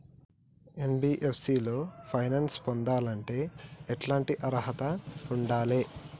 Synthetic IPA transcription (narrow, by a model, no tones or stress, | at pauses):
enbiːʔepʰsiːlo̞ːpʰɐjnɐːnspond̪aːlɐɳʈe̞ːeʈlaːɳʈiʔɐɾɐɦɐt̪ɐuɳɖaːleː